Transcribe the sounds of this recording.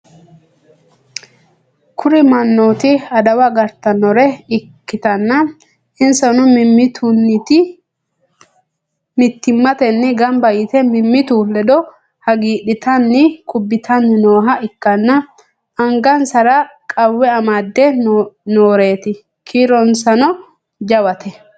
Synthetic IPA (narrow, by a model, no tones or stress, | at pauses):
kʰʊɾɪmɐnːoːt̪ɪɐd̪ɐwɐɡɐɾt̪ːɐnɔɾɛɪkkːɪt̪ɐnːɐ | ɪnsɐnʊmɪmːɪt̪unːɪt̪ɪ | mɪt̪ːɪmːɐt̪ɛnːɛɡɐmbɐjɪt̪ɛmɪmːɪt̪uːlɛd̪ɔ | hɐɡiːɗɪt̪ɐnːɪkʰʊbːɪt̪ʰɐnːɪnoːɦɐɪkːɐnːɐ | ɐŋɡɐnsɐɾɐkʼɐwːɛɐmaːd̪ːɛnoːɾe̞ːt̪ɪ | kʰiːɾɔnsɐnɔ | d͡ʒɐwɐt̪ʰɛ